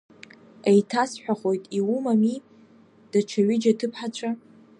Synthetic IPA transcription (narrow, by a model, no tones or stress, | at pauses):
ejtʰasħʷᶣaχo̞jtʼiwumami | d̥at͡ʃʰaɥɪd͡ʒatʰɨpʰħat͡ʃʷʰa